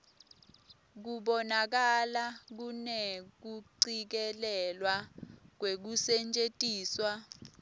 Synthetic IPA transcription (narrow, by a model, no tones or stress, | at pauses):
k̬uɓɔnak̬alak̬unek̬uǀik̬ɛlɛlwak̬wek̬usɛnt͡ʃʼetʼiːswa